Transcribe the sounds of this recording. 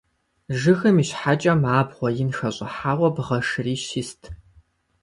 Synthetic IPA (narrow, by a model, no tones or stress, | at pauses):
ʒɨxɨmiɕħat͡ʃʼɐmaːbʁʷɔjɪnxɐɕʼɪħaːʁʷɔbʁɐʂɨriːʃistʰ